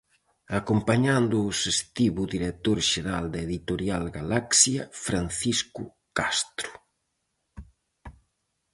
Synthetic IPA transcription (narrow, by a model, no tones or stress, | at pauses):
akompaɲand̪ʊːsest̪iβʊðiɾet̪oɾʃeɾald̪eðit̪oɾjalɡalaksjɐfɾanθisku | kast̪ɾʊ̥